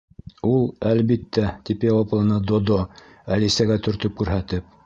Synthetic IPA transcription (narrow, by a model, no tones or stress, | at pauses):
ulˠælβit̪ːæt̪ipjɑwɑplˠɤ̆nɑd̪od̪o | ælisæɡæt̪ɵ̆ɾt̪ɵp̚kʉɾɦæt̪ɘp̚